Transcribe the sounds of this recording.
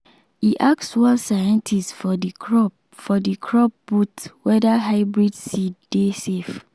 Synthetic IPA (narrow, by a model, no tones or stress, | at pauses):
iʔakswãnsajɛ̃ntʰistfɔdikɹɔp | fɔdikʰɹɔp̚butwɛdaɦaɪbɹidsiddesef